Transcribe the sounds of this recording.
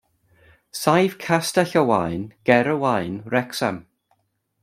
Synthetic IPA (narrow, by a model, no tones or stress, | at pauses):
sajv̥kʰastɛɬəwajnɡ̥ɛɾəwajnrɛksa̰m